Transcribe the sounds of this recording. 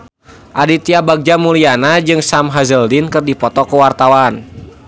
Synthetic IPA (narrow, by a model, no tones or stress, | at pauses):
ʔadit̪iabaɡ̚d͡ʒamulianad͡ʒɨŋsamɦazəldinkɨrdipɔt̪ɔkəwart̪awan